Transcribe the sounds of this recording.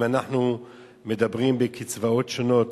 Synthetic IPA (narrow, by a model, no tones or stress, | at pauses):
anaχnu | medabʁiːmbekʰit͡svaoːtʃonoːt